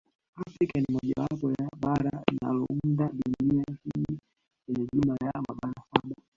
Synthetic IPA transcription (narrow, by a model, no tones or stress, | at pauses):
afɾikanimɔʄawapɔjaɓaɾalina̰lɔuundaɗuniahii | kɛɲɛʄumajamaɓaɾasaɓa